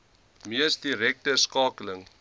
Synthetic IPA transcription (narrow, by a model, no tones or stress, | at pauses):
miəsdiɾɛk̚təskɑːkələŋ